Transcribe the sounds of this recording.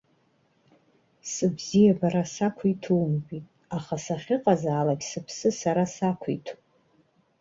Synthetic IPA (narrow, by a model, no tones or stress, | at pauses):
sɨbzijabaɾasakʷʰitʰuwmɡitʼ | aχasaχʲɪqʼazaːlakʲsɨpʰsɨsaɾasakʷʰiḭtʰu